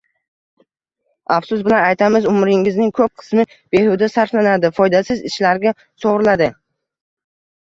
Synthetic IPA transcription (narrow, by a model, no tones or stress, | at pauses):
afsʊsbɪlanajt̪ʰamɪzʊmɾɪŋɪznɪŋkʰɵp̚qʰɨ̥smɪ | b̥e̞hʊd̪asaɾflanad̪ɪfɒjd̪asɪzɪʃlaɾɡʲa | soʁɾɪlad̪ɪ